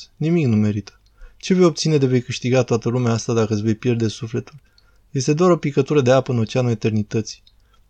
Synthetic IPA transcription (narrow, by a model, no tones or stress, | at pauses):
nimiknume̞ɾit̪ə̥ | t͡ʃe̞ve̞jo̞b̚t̪sine̞d̪e̞ve̞jkɨʃt̪iɡat̪oat̪əlumeaast̪ad̪akəɨsʲve̞jpje̞rd̪e̞sufle̞t̪ul | je̞st̪ed̪oaɾo̞pikət̪uɾəd̪eapəɨnot͡ʃianue̞t̪e̞rnit̪ət̪si̥